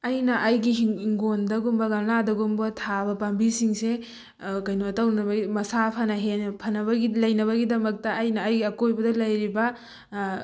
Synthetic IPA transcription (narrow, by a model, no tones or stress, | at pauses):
ɐjnɐʔːjɡiɦiɦiŋɡondɐɡumbɐɡɐmladɐɡumbɐtʰabɐpambisiŋse | kɐjnoɐtɐwnɐbɐɡimɐsapʰɐnɐɦenpʰɐnɐβɐɡilɐjnɐβɐɡidɐmɐk̚tɐːjnɐːjɡiɐkojbɐdɐlɐjɾibɐ